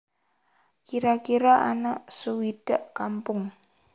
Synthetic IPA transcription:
kiɾakiɾaʔanaʔsuwid̥əʔkampʊŋ

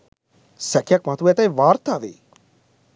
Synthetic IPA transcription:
sɛkʰjakmat̪ʰuɛt̪aiʋaːɾt̪aʋḛː

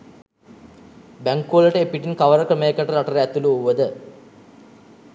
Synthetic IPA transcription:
bæŋkːuɐləʈəepiʈinkaʋəɾəkɾəməjekəʈəɾaʈəɾəæt̪uluuʋəd̪ə

